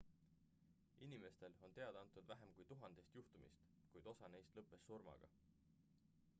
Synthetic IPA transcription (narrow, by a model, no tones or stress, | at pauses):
ʔinime̞st̪e̞lo̞nt̪e̞ɑd̪ɑnt̪ːˑud̪væɦemkujt̪uɦɑnd̪̥e̞st̪juht̪umḭst̪ | kujd̪̥o̞sɑnejst̪lɤpːˑe̞sːurmɑ̰ɡ̥ɑ̰